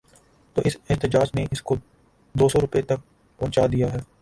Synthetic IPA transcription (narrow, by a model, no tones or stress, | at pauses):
t̪oːʔɪsɪɦt̪ɪd͡ʒaːd͡ʒnẽʔɪsko | d̪oːsɔːɾʊpet̪ɐk̚ | pɔ̃ːt͡ʃaːd̪ijaɦɛː